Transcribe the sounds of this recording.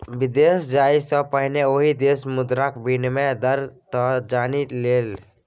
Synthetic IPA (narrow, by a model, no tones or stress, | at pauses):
bid̪esd͡ʒaisə̃pəɦɪneoɦid̪esmʊd̪ɾakbʱinmed̪əɾt̪ɔd͡ʒaːnileːl